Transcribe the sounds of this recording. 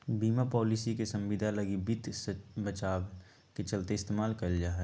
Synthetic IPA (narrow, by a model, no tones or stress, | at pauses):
biːmapɔːlisikesɐ̃mʋɪd̪ʱalɐɡibit̪sbət͡ʃaːw | ket͡ʃɐlt̪eɪst̪eːmaːlkɐld͡ʒaːɦɛ